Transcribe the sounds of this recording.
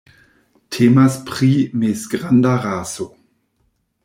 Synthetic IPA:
tʰeːmaspʁ̥imesɡʁandaʁaːso

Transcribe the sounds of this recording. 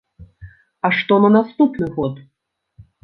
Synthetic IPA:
ɐʂt̪ɔnɐnast̪upnɨɣɔt̪

